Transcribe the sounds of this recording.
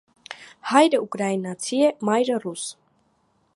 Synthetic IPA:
hɑjɾəukʼɾainɑt͡sʰiɛmajɾərus

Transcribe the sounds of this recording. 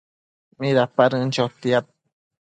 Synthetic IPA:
miɾapaɾɨnt͡ʃot̪iat̪̚

